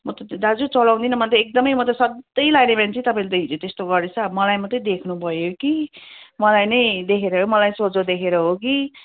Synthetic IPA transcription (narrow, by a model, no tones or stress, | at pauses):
mʌt̪ʌd̪ad͡zut͡sʌlaw̃d̪inʌmʌnt̪eek̚d̪ʌmʌjmʌt̪̬ʌsʌd̪ʌjlaɡnepant͡sʰĩt̪ʌpaĩlet̪ʌɦid͡zot̪est̪oɡʌrd̪et͡sʰʌmʌlajmʌt̪ʌd̪ekʰnubʱʌjokimʌlajnʌjd̪ekʰeɾʌɦomʌlajsod͡zod̪ekʰeɾʌɦoki